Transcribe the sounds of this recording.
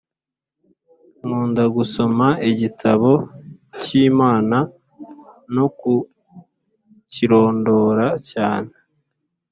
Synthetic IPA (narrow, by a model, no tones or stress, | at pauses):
ŋuːndaɡuso̞maiɟitʰaβo̞ciːmaːna | no̞ku | ciɾo̞ːndo̞ːɾacaːne